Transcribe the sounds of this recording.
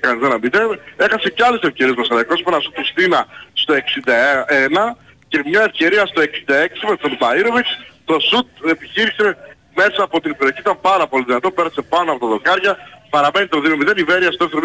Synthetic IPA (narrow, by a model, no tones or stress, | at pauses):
kɐnizenɐmit̪ee̞xɐse̞ceɐle̞sefce̞ɾiezmɐsɐlɐikospenɐsut̪ist̪inɐst̪o̞e̞ksind̪ɐeenɐ | ce̞mɲɐe̞fce̞ɾiɐst̪o̞e̞ksind̪ɐe̞ksimesonbɐiɾo̞vikst̪o̞sut̪̚epiçiɾise̞ | me̞sɐːpo̞t̪inbeɾioçiit̪ɐmpɐɾɐpo̞liðinɐt̪o̞peɾɐse̞pɐnoɐpo̞t̪ɐðo̞kɐɾʝɐpɐɾɐme̞nit̪t̪oðiɣnomiðeniveɾiɐst̪oeft̪eɾm